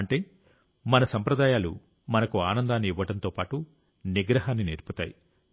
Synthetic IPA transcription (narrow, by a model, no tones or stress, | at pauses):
ɐɳʈe̞ː | mɐnɐsɐmpɾɐd̪aːjaːlṵ | mɐnɐkuaːnɐnd̪aːnːiiʋːɐʈɐnt̪o̞ːpaːʈu | niɡɾɐɦaːnːiniɾput̪a̰ːji